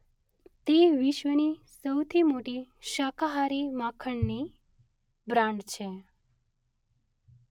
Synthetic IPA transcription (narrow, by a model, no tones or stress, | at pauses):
t̪eʋɪʃʋənisəwt̪ʰimoʈiʃakaɦaɾimakʰəɳni | bɾãɳɖt͡ʃʰe